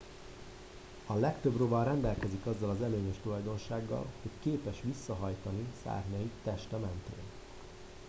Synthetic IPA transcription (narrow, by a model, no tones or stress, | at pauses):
ɒlɛkt̪øbrobɒrɛnd̪ɛlkɛzikɒzːɒlɒzɛløːɲeʃt̪ulɒjd̪o̞nʃaːɡːɒ̰lho̞ckeːpɛʃʋisːɒɦɒjt̪ɒnisa̰ːrɲɒjit̪ːɛʃt̪ɛmɛnt̪ḛːn